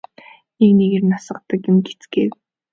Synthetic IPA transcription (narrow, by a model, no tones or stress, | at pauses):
ekneɣernasə̆qt̪ə̆kjʊmɡet͡sɡeːw